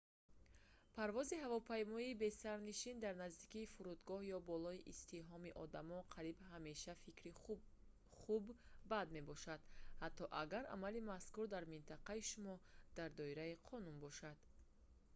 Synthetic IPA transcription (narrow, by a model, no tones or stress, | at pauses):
pʰaɾvɔziɦavɔpʰajmɔiːbe̞saɾniʃind̪aɾnazd̪ikiːfuɾud̪ɡɔhjɔbɔlɔiʔist̪iɦɔmiʔɔd̪amɔnqʰaɾibɦame̞ʃafikɾi | χubːad̪me̞bɔʃad̪̥hat̪ʰːɔʔaɡaɾʔa̰malimaskuɾd̪aɾmint̪ʰaqaiʃumɔd̪̥aɾd̪ɔiɾaiqʰɔnunbɔʃad̪̥